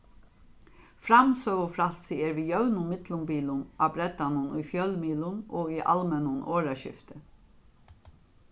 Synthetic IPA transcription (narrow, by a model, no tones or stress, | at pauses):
fɾɑmsøːɡʊfɾɑlsɪeːɾʋiːjœʉnʊmɪd̪lʊmbiːlʊnʔɑːbɾɛd̪ɑnʊnuːfjœlmiːlʊnʔoːɡiːʔɑ̰lmɛnʊnʔoːɹɑʃɪ̰ft̪ə